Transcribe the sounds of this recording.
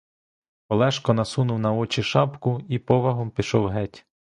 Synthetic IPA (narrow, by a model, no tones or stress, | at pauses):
ɔlˠɛʃkɔnɐsunʊwnɐɔt͡ʃiʃɑpkʊipɔʋɐɦɔmpʲiʃɔwɦɛtʲ